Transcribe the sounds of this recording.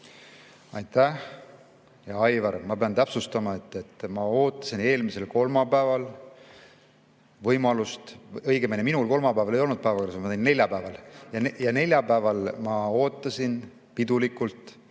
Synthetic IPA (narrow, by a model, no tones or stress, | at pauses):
ɑjt̪ːæh | jɑɑjvɑɾmɑpe̞ɑnt̪æpsust̪ɑmɑe̞t̪ːˑet̪ːˑmɑo̞ːt̪ːˑɑ̥sine̞ːlmise̞lko̞lmɑpæevɑl | vɤjmɑlust̪ɤjɡemeneminulko̞lmɑpæevɑle̞jo̞lnud̪̚pæevɑkɑɾsɑmɑt̪eine̞lʲjɑpæevɑljɑjɑne̞lʲjɑpæevɑlmɑo̞ːt̪ːˑɑsin | pid̪̥ulikːult̪ˑ